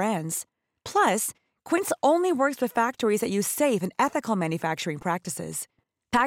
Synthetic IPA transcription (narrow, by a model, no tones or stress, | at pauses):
ɛ̃ndz̥ | pʰl̥ʌs | kʰw̥ɪ̃ntsõʊ̃nliwɜ˞kswɨð̥fæk̚tə˞izðɨʔjʉz̥seɪvɨ̃nɛθɨkl̩ˠmæ̃njɨfæk̚t͡ʃə˞ɪ̃ŋpʰɹ̥æk̚tɨsɪ̰z̥ | fæ